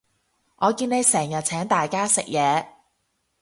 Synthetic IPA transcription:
ʔɔː˨˧kiː˧ne˨˧jsɛː˨˩ŋjɐ˨t̚t͡sʰɛː˨˥ŋt̪aː˨jkaː˥sɪ˨k̚jɛː˨˧

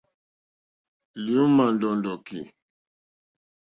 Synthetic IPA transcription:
li˨u˦ma˨ndɔ˨ndɔ˨ki˨

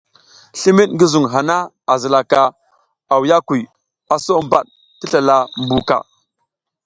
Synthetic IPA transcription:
ɬi˦mi˦ɗŋɡi˦zu˨ŋɦa˨na˦ | a˨zə˨la˨ka˨ | a˨wja˦ku˨ | a˨so˦mba˨ɗ | ti˦ɬa˨la˨mbu˨ka̰˨

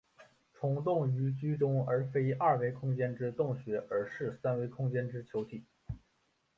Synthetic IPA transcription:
ʈ͡ʂʰʊ˧˥ŋt̪ʊ˥˩ŋy˧˥t͡ɕy˥ʈ͡ʂʊ˥ŋə˞˧˥fe˥ɪa˥˩we˥ɪkʰʊ˥ŋt͡ɕjɛ˥nʈ͡ʂɻ̩˥t̪ʊ˥˩ŋɕɥɛ˧˥ə˞˧˥ʂɻ̩˥˩sa˥nwe˥ɪkʰʊ˥ŋt͡ɕjɛ˥nʈ͡ʂɻ̩˥t͡ɕʰjo˧˥ʊt̪ʰi˨˩˦

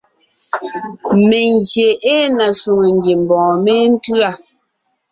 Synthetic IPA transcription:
me˨ŋɡje˨ʔe˦na˨ʃu˨ŋe˨ŋɡje˨m̩˨bɔ̃ː˨me˦n̩˦tɰa˦˨

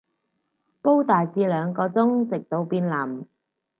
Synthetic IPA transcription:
po˥wt̪aː˨jt͡siː˧lœː˨˧ŋkɔː˧t͡sʊ˥ŋt͡sɪ˨k̚t̪o˨˧wpiː˧nla˨˩m

